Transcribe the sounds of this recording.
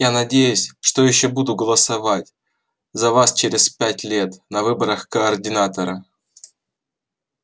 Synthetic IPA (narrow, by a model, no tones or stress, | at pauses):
janɐdʲejʊsʲʂt̪ojɪɕːobud̪ʊɡəlˠəsɐvatʲ | zɐvast͡ɕeɾʲɪspʲætʲlʲe̞t̪nɐvɨbəɾəxkəːrdʲɪnat̪əɾə